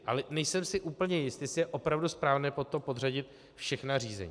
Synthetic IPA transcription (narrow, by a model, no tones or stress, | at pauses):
ʔa̰lɛnɛjsɛmsɪʔuːpl̩ɲɛjɪst̪ɪsɪjɛʔo̞pɾavduspɾaːvnɛːpot̪opo̞draɟɪt̪ | fʃɛxnar̝iːzɛ̰ɲiː